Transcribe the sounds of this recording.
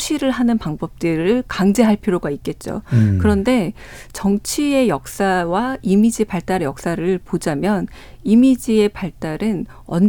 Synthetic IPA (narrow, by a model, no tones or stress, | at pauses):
t͡ɕʰiɾɯɭɦanɯnpaŋbʌp̚t͈ɯɾɯɭkaŋd͡ʑe̞ɦaɭpʰiɾoɡaik͈̚e̞t̚t͡ɕ͈o̰kɯɾʌnde̞ | t͡ɕʌŋt͡ɕʰie̞jʌk̚s͈awaimid͡ʑipaɭt͈aɾjʌk̚s͈aɾɯɭpod͡ʑamjʌn | imid͡ʑie̞paɭt͈aɾɯn | ʌn